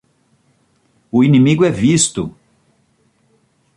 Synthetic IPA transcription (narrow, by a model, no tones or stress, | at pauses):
ʊinĩmiɡʊɛvist̪ʊ